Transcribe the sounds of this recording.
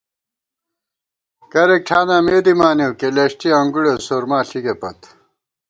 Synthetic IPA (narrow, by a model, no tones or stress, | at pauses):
kɐɾek̚ʈʰaːnaːmeːd̪imaːnewkeleɕʈiɐŋɡuɽosoːɾmaːɬiɡepɐ̰t̪